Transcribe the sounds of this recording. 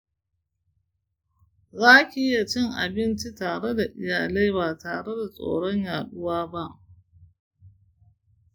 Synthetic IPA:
zaː˦kʲiː˦ja˨t͡ʃɪ˦ŋʔa̰˨bɪ˦nt͡ʃi˦taː˨ɽe˦da˨ʔɪ˨jaː˨le˦jbaː˨taː˨ɽe˦da˨sʼo̰ː˨ɽɔ˦ɲjaː˨ɗʊ˦waː˦ba˦ʔ

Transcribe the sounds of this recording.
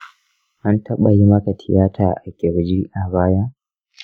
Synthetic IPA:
ʔa˦ntʰɐ˦ɓa˨ji˦mɐ˦ka˨tʰɪ˨jaː˦tʰaː˨ʔa˨kʲɪ˨ɾd͡ʒi˦ʔa˨baː˦ja˦

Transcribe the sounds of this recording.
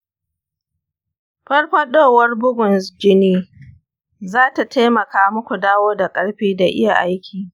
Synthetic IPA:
ɸɐ˦ɽɸɐ˦ɗoː˦˨wɐ˦rbʊ˦ɡʷʊ˨nsd͡ʒɪ˦niː˦ | zaː˦ta˨tʰa˦jmɐ˨kaː˦mʊ˦kʷu˨daː˦woː˦da˨kʼɐ˦ɽɸiː˦da˨ʔɪ̰˦ja̰˨ʔa˦jkʲʰiː˨

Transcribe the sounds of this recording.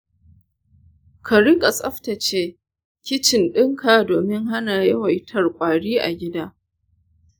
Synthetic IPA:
kʰa˨ɽɪ˦kʼa˨sʼɐ˦ɸta˨t͡ʃeː˦ | kʲɪ˦t͡ʃɪ˨nɗɪ˦ŋkʰaː˨doː˨mɪ˦ŋɦa˦naː˨jɐ˦wa˨jtʰɐ˨rkʷʼaː˨ɽiː˦ʔa̰˨ɡʲɪ˦daː˦

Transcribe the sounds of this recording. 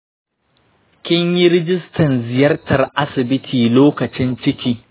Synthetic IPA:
kʲɪ˦ɲji˦ɾɪ˦d͡ʒɪ˦stʰɐ˨nzɪ˨jɐ˦rtɐ˨rʔa˦sɪ˨bɪ˦tʰiː˨loː˦kɐ˨t͡ʃɪ˦nt͡ʃɪ˦kʲiː˦

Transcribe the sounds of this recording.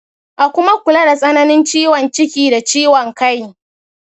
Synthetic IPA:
ʔa˨kʷʊ˦ma˦kʷʊ˨la˦da˨sʼɐ˦nɐ˦nɪ˦nt͡ʃiː˦wɔ˨nt͡ʃɪ˦kʲiː˨da˨t͡ʃiː˦wɔ˨ŋka˦j

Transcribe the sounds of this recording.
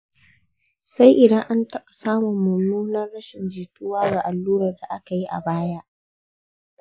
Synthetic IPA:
sa˦jʔɪ˨dɐ˦ŋʔa˦ntɐ˦ɓʼa˨saː˦mʊ˨mːʊ˨muː˦nɐ˦rɽɐ˦ʃɪ˨nd͡ʒiː˨tʊ˦waː˦ɡa˨ʔa˨lːuː˦ɾɐ˨rda˨ʔa˦ka˨ji˦ʔa̰˨baː˦ja˦

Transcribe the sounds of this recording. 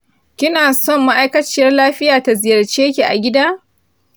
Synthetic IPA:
kʲɪ˦naː˨sɔ˦˨mːa˦ʔa˦jkɐ˦t͡ʃɪ˦˨jɐ˦rlaː˦ɸɪ˦jaː˨ta˨zɪ˨jɐ˨rt͡ʃeː˦kʲi˨ʔa̰˨ɡʲɪ˦daː˦

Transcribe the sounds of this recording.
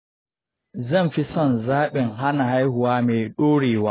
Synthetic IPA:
zɛ˦mfi˦sɔ˦˨nzaː˦ɓɛ˨nɦa˦na˨ha˦jhu˨waː˦mɛː˨ɗoː˦ɾiː˨wa˨

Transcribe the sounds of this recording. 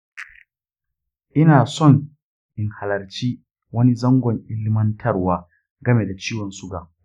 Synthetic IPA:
ʔɪ˦naː˨sɔ˦˨ŋ | ʔɪ˨ŋha˨lɐ˨rt͡ʃiː˦ | wɐ˦ni˦zɐ˦ŋɡʷɔ˨ŋʔɪ˦lmɐ˦ntʰɐ˦rwaː˦ | ɡɐ˦meː˨da˨t͡ʃiː˦wɔ˨nsʊ˦ɡaː˨

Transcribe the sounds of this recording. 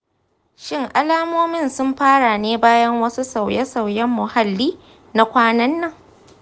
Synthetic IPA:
ʃɪ˦ŋʔa˦laː˦moː˦mɪ˦˨nsʊ˦mɸaː˦ɽa˨neː˦baː˦jɐ˦ŋwɐ˦su˦sa˨wjɛ˦sa˨wjɛ˦mːʊ˨ha˦lːiː˦ | na˦kʷaː˦nɐ˦nːɐ˨ŋ

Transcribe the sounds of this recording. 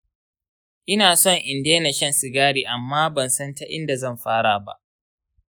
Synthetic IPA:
ʔɪ˦naː˨sɔ˦˨ŋʔɪ˨ndeː˦na˨ʃɐ˦˨nsɪ˨ɡaː˦ɽiː˨ʔa˨mːaː˦bɐ˨nsɐ˦nta˦ʔɪ̰˦nda˨zɐ˦˨mɸaː˦ɽaː˨ba̰˦ʔ

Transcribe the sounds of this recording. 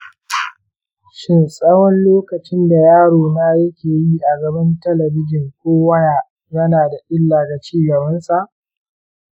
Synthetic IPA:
ʃɪ˦nsʼɐ˦wɔ˦nloː˦kɐ˨t͡ʃɪ˦nda˨jaː˦ɽoː˨naː˦jɐ˦kʲeː˨jiː˦ʔa˨ɡɐ˨bɪ˦ntɐ˦lɐ˨bɪ˦d͡ʒɪ˨ŋkʷoː˦wɐ˦jaː˨ | jɐ˦naː˨da˨ʔɪ˦lːaː˨ɡa˨t͡ʃiː˦ɡɐ˨bɐ˦nsa˨ʔ

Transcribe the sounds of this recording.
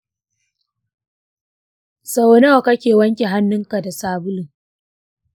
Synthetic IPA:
sa˨wnɐ˦wa˨kɐ˦kʲeː˨wɐ˦ŋkʲe˨ɦa˦nːʊ˦ŋka˨da˨saː˦bʊ˦lɪ˨ŋ

